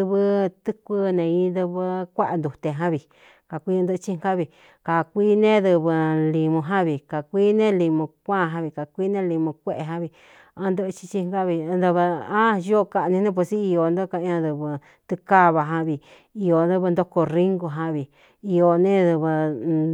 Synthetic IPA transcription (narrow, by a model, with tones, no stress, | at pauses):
ɨ˧βɨ˧t̪ɨ˦kʷɨ˦nẽ˧ĩ˧˦nd̪ɨ˧βɨ˧kʷa˦ʔa˧nd̪u˨t̪e˧ɦã˦βi˧ | ka˨kʷĩ˦˧d̪ɨ˦˧t͡ʃi˦ŋɡa˦βi˧ | ka˨kʷiː˦nẽ˦ðɨ˧βɨ˧li˧mũ˧ɦã˦βi˨ka˨kʷi˦nẽ˦li˧mõ˧kʷã˦˨˧ɦã˧βi˧ka˨kʷi˦nẽ˦li˧mõ˧kʷe˦ʔe˧ɦã˧βi˧ | ã˧nd̪ɨ˦ʔt͡ʃi̥˧t͡ʃi˦˧ŋ˦ka˦βi˧nd̪ɨ˧βɨ˧ã˦jo˦˧ka˧ʔnĩ˧nẽ˦p̬u˧si˦i˧o˧nd̪o˦˧ka˧ʔã˧ðɨ˧βɨ˧ | t̪ɨ˧ka˦βa˧ɦã˧βi˧˨ | i˧o˧nd̪ɨ˦βɨ˧nd̪o˦ko˧ri˦ŋɡu˧ɦã˧βi˨ | i˧o˧nẽ˦ðɨ˧βɨ˧